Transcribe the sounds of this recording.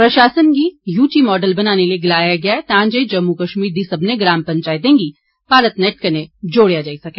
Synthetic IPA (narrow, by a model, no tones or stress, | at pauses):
pɾɐʃaːsənkijuːʈimɔːɖəlbɐnaːnelieɡɪlaːjaɡɐjaɛt̪ãːd͡ʒəd͡ʒɐmːukɐʃmiːɾd̪isɐbneɡɾaːmpɐ̃ɲt͡ʃaːɪt̪̬̚ẽːɡi | paːɾət̪nɛʈkɐned͡ʒoːɽjad͡ʒaːisɐkẽː